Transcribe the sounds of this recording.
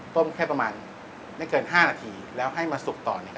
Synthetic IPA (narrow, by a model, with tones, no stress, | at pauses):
t̪o˥˩˨mkʰɛː˥˩pɾa˧maː˧n | ma˥˩jkɤː˧˩nɦaː˥˩naː˧t̪ʰiː˧lɛː˦˥wɦa˥˩jmaː˧su˨˩k̚t̪ɔː˨˩na˧